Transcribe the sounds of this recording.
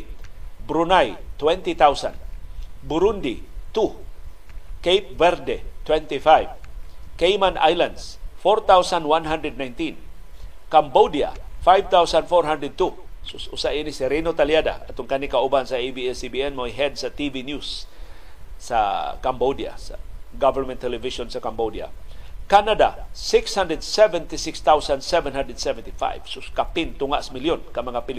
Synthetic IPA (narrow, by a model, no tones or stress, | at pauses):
bɾunajt̪wɛnt̪it̪awsa̰nbuɾund̪it̪u | kejp̚vɛɾdɛt̪wɛnt̪ifajvkejmana̰jlandsfɔɾt̪awsanwanɦand̪ɾɛd̪̚najnt̪in | kambodia̰fajvt̪awsandfɔɾɦand̪ɾɛd̪̚t̪usʊsusaʔinisiɾinot̪aljada̰at̪ʊŋkanikaubansaebiɛsibiɛnmoiɦɛd̪̚sat̪ivinjusː | a̰kambodia̰sa̰ɡavɛɾmɛ̃nt̪ʰːɛlɛvisonsakambodia̰kanadasɪkshandɾɛd̪sɛvɛnt̪isɪkst̪awsansɛvɛnɦandɛd̪sɛvɛnt̪ifa̰jv̥sʊkapɪnt̪ʊŋaʔsamiljonkamaŋapil